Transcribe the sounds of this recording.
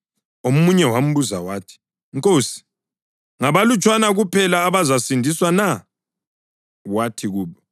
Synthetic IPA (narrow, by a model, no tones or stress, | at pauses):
omuɲɛwam̩βuza̰waːtʰi̥ | ŋkʼoːsi̥ | ŋaβalut͡ʃʼwanaɣupʰɛlaːβazasindʱiswana | watʰiɣuːβɔ